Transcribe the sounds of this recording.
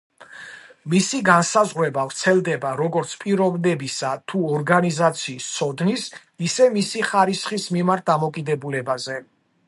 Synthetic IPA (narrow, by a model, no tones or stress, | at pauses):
misiɡansazʁɾɛbavɾt̪sʰɛlˠd̪ɛbaɾɔɡɔɾt̪sʰpʼiɾɔvnɛbisat̪ʰuɔɾɡanizat̪sʰiːst̪sʰɔd̪nis | isɛmisiχaɾisχismimaɾt̪̚d̪amɔkʼid̪ɛbulɛbazɛ